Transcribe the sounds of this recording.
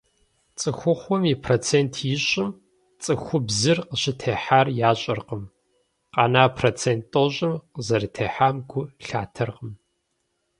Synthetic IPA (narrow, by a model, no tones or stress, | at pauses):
t͡sʼɨxʷʊχʷɔmipʰrot͡sʰeːntʰjɪɕʼɪm | t͡sʼɨxʷʊbzɨrqəɕɪtʰeːħaːrjaːɕʼɐrqəm | qɑnaːpʰrot͡sʰeːntʼːoɕʼɪmqəzɐrɨtʰeːħaːmɡʷʊɬa̰ːtʰɐrqəm